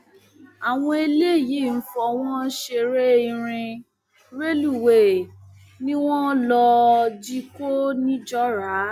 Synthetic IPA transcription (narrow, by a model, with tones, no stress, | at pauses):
a˨w̃ɔ̃˧e˧le˦˨ji˨˦˨n̩˦fɔ˧w̃ɔ̃˦ʃe˧ɾe˦i˧ɾ̃ĩ˧ | ɾe˦lu˦˨we˨ | nĩ˦w̃ɔ̃˦lɔ˧d͡ʒi˦ko˦nĩ˦d͡ʒɔ˦ɾa˨˦